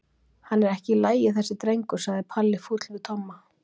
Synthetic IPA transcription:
hanːɛɾɛhcɪlaːjɪθɛsːɪt̪ɾejŋkʏɾ̥saɣðɪpʰalːɪfut̪lvɪðt̪ʰɔmːa

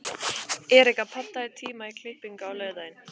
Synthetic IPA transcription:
ɛːɾɛhkapʰat̪ːaɪt̪ʰiːmaikʰlɪhpiŋkawlœːɥðaðɪn

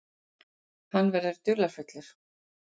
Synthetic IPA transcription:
hanːvɛɾðʏɾ̥t̪ʏːlaɾ̥fʏt̪lɪɾ̥

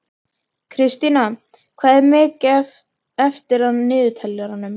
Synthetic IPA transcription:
kʰɾɪst̪ina | kʰvaːðɛɾmɪːcɛv | ɛft̪ɪɾ̥aðnɪːðʏt̪ʰɛlːʏɾanːʏm

